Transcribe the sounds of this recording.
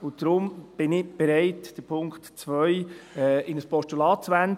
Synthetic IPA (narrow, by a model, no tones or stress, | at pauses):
ʊnd̥ɾʊmb̥ɪnɪb̥ɛɾɛɪtd̥əpʰʊŋktt͡svœʏɛːɪnəspɔʃtulɑːt̚t͡sʋænd